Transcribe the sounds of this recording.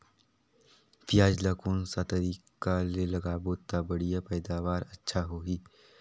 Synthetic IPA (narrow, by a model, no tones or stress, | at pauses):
fɪjaːd͡ʒlakuːnsat̪ɐɾiːkalelɐɡaːbot̪abɐɽijapɛːd̪aːʋaːɾɐtːʃʰaɦoːɦiː